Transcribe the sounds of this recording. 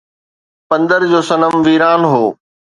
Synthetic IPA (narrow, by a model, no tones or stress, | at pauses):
pɐ̃nd̪əɾd͡ʑoːsɐnəmʋiːɾaːnɦoː